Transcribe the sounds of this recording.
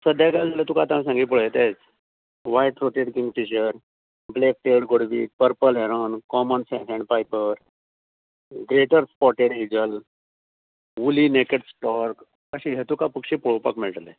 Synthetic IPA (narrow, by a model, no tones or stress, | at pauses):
səd̪ʱjakald͡zalet̪ukat̪ãmsãŋɡiːp̬uɭet̪et͡s | ʋajʈɾoʈeɽkĩŋɡfiɕəɾ | blek̚ʈeɽɡoɽʋḭːpəɾpəlɦeɾəːnkɔmənsɛ̃sẽɳɖpajpəɾ | ɡɾeʈəɾspɔɾʈeɽiɡəl | ulinekeʈsʈɔɾk | əɕiɦet̪ukapəkɕipuɭopa̰kmilʈlḛ